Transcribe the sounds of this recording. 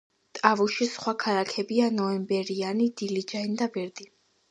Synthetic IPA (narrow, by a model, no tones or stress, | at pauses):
t̪ʼavulˠʃisχwakʰalakʰɛbianɔɛmbɛɾianid̪̥ilid͡ʒaind̪abɛɾd̪i